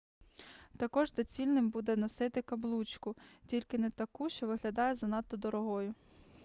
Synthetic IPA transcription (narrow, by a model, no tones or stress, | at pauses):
t̪ɐkɔʒzɐt͡sʲilʲnɪmbud̪ɛnɔsɪt̪ɪkɐblˠut͡ʃkʊtʲilʲkɪnɛt̪ɐkuʃt͡ʃɔʋɪɦlʲɐd̪ɑjɛzɐnɑt̪ːɔd̪ɔɾɔɦɔjʊ